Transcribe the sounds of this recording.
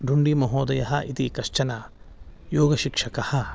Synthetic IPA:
ɖʱuɳɖimɐɦoːd̪ɐjɐɦɐʔit̪ikɐʃt͡ʃɐnɐ | joːɡɐʃikʂɐkɐhɐ̆

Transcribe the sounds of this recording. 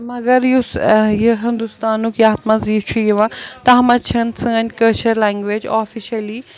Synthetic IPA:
mɐɡɐɾjusjeɦɪ̃nd̪ust̪aːnukiaːt̪maziːft͡ʃʰujʋãt̪ɐɦɐmɐt͡ʃʰɐnsɨɐnʲkɐlt͡ʃɐɾlaːŋɡʋed͡ʒaːfiʃɐli

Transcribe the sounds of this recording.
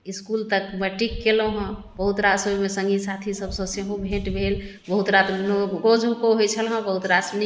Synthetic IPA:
iskult̪əkbəʈikːeloɦə̃bəɦut̪ɾasəbmesə̃ŋɡʱisat̪ʰisəbsə̃seɦõbʱẽʈbʱel | bəɦut̪ɾat̪nokod͡ʒʱukoɦojt͡ʃʰəlɦə̃bəɦut̪ɾasni

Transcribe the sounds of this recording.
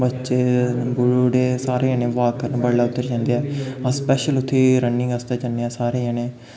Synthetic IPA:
bətːʃeːbʊɽuːɖeːsaːɾeːənẽːʋaːkːəɾnːbəɽlaːʊt̪ːəɾd͡ʒãːnd̪eːɛːãspɛːʃəlʊt̪ʰːeːɾənːɪ̃ŋɡəst̪aːd͡ʒənːeaːsaːɾeːənẽː

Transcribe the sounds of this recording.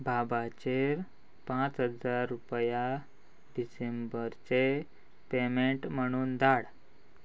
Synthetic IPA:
bʱabat͡ɕeɾ | pãt͡sɦəd͡zaɾːupja | ɖisembəɾt͡se | pemeɳʈm̤əɽ̃uːnd̪aɽ

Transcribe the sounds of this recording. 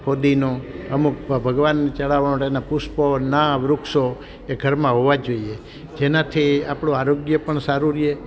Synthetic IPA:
kʰod̪inoəmuk̚bʱəɡʋanːt͡ʃəɭaʋaɳõʈenapusponaʋɾʊkʃo | eɡʱəɾmãɦoʋad͡ʒoie | d͡ʒenat̪ʰiapɽ̃õaɾoɡjəpəɳsaɾuɾie

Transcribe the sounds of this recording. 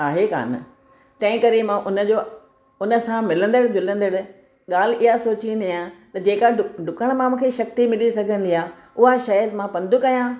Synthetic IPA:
aːɦeka̰ːn | t̪ɐ̃ɦɪ̃kɐɾemãʔʊnə̆d͡ʑoː | ʊnə̆sãmɪlə̃nd̪əɽɡɪlə̃n̆d̪əɽ | ɠaːl̤ɪɦasoːt͡ɕĩənd̪ajãt̪ɐd͡ʑeːkaʊɖʊkəɽ̃mãmũːkʰeʃɐk̚t̪imɪlisɐɡʱənɪ̆liaː | ʊɦaʃɐəzmãpɐ̃nd̪ʱukɐjãː

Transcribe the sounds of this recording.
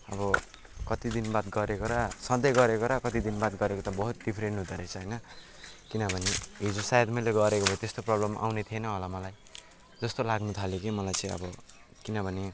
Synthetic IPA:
ʌ̰bʌ | kʌt̪id̪inbat̪ɡʌɾekoɾasʌd̪ʌjɡʌɾekoɾakʌt̪id̪inbat̪̚ɡʌɾekot̪ʌbʌɦut̪̚ɖipʰɾeɳʈɦũd̪ʌɾʌt͡sʰʌɦʌjnʌ | kinʌbʱʌneɦid͡zusajd̪mʌjleɡʌɾekobʱʌit̪est̪oprʌblʌmʔa̰wnet̪ʰienʌɦolamʌlaj | d͡zʌst̪olaɡnut̪ʰaljokimʌlajt͡sãĩʌ̰bʌ | kinʌbʱʌne

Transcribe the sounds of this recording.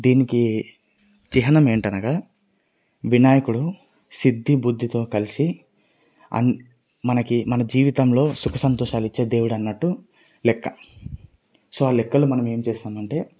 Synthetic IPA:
d̪iːniki | t͡ʃiɦɐnɐme̞ːɳʈɐnɐɡaː | ʋinaːjɐkuɽu | sid̪ʱːibud̪ʱːit̪o̞ːkɐlisi | ɐ̰n | mɐnɐkimɐnɐd͡ʒiːʋit̪ɐmlo̞ːsukʰɐsɐnt̪ɔːʃaːlit͡ʃːeːd̪e̞ːwuɽɐnːɐʈːu | lɛkːɐ | so̞ːaːlɛkːɐlumɐnɐme̞ːmut͡ʃeːsaːmɐɳʈe̞ː

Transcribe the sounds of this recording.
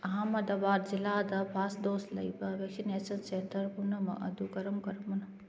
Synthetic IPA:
ɐɦamɐd̪ɐbaːɾzilaːd̪ɐpʰaːsd̪oːst̪lɐ̰ibɐʋekʃineːsɐnseːt̪ʰɐɾpunɐmɐ̰ʔɐ̰d̪uɡɐɾɐmkɐɾmɐnɐ

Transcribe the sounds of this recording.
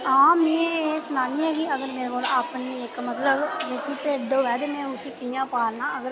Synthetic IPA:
ãːmiːẽeːsʊnaːnĩːɦɛːɡiːəɡəɾmeːɾekoːlaːpniːɪkmət̪ləbʋeːkiːpeːd̪oːʋɛːd̪emẽːʊsĩːkɪjãːpaːɾnaːəɡəɾ

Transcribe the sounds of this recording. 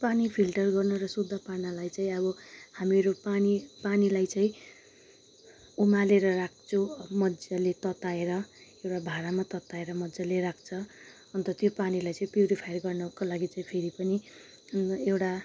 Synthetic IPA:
panipʰilʈʌrɡʌrnʌɾʌsud̪ʱːʌparnalajt͡saĩʌbʌhamiɾopanipanilajt͡saĩ | umaleɾʌrak̚ʰt͡sʰũmʌd͡zalet̪ʌt̪aeɾʌewʈabʱaɾamat̪ʌt̪aeɾʌmʌd͡zaleɾak̚ʰt͡sʰʌ | ʌnt̪ʌt̪jopanilajt͡saĩpjuɾipʰajrɡʌrnʌkolaɡit͡saĩpʰeɾipʌni | ewʈa

